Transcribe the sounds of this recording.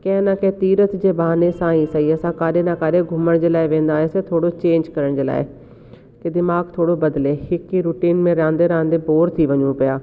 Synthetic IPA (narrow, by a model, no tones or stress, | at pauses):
kẽnaːkẽːt̪iːɾət̪d͡ʒeːbaːneːsãːĩːsaiːəsãːkaːɾeːnãːkaːɾeːɡʱʊməɳd͡ʒelaːeʋẽːnd̪aːesẽːt̪ʰoːɽoːt͡ʃẽːɲd͡ʒkəɾəɳd͡ʒela̰ːḛː | ked̪ɪmaːɡt̪ʰoːɽoːbəd̪leːhɪkːiɾuːʈiːnmẽːɾãːnd̪eːɾãːnd̪eːboːɾt̪ʰiːʋəɲũːpəjaː